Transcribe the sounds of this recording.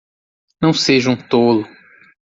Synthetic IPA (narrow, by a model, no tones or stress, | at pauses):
nɐ̃w̃seʒũt̪olʊ